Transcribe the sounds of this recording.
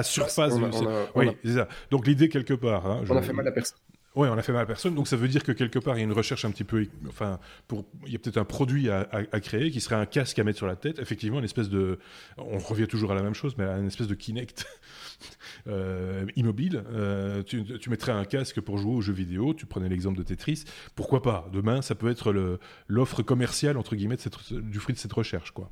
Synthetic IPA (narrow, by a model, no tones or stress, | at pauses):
asyʁfasdswisɛsad̪ɔ̃klid̪ekʲɛlkəpaːʁɛ̃ʒ̃nafɛpɛs | wɛɔ̃nafɛmalpɛʁsɔnd̪ɔ̃ksavød̪iʁkəkʲɛlkəpaːʁijaynʁəʃɛʁʃɛ̃pət̪ipøɑ̰̃fɛ̃puʁiljapə̥t̪ɛt̪χɛ̃pχɔd̪ɥiaaakχeek̬ʲisəʁɛɛ̃kʲaskamɛt̪syʁlat̪ɛt̪efɛk̚t̪ivmɑ̃ynɛspɛs̬d̪əɔ̃ʁəvjɛ̃t̪uʒuʁalamɛmʃozmɛnɛspɛsd̪əkʲʰinɛkt̪ | øimɔbiløt̪yt̪ymɛt̪χaɛ̃kʲaskəpuʁʒueoʒøvid̪eot̪ypχənɛlɛɡzɑ̃pld̪ət̪et̪χis | puʁkwapad̪əmɛ̃sapøɛt̪χələ | lɔfχəkɔmɛʁsjalɑ̃t̪χəɡʲimɛd̪əsɛt̪d̪yfχɥid̪əsɛt̪ʁəʃɛʁʃkwa̰